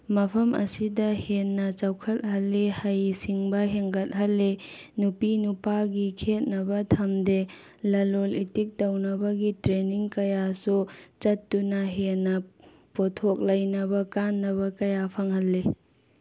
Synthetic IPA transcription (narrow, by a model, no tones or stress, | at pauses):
mɐpʰɐmɐ̰sidɐhenːɐt͡ʃawkʰɐt̚ɦɐlːehɐjsiŋbɐɦeŋɡɐt̚ɦɐlːenupinupaɡikʰet̚nɐbɐtʰɐmde | lɐlolitik̚tɐwnɐbɐɡitɾeniŋkɐjasut͡ʃɐtːunɐɦenːɐ | potʰok̚lɐjnɐbɐkanːɐβɐkɐjapʰɐŋhɐlːe